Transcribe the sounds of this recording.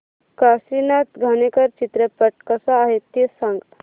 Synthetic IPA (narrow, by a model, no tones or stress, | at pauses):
kasinat̪ɡʱanekəɾt͡ʃit̪ɾəpəʈkəsaːɦet̪ːjesãŋɡ